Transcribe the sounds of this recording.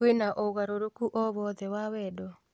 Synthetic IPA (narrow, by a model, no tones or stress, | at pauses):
enaʔoɣaɾoɾokuʔɔβɔðɛwawɛdɔ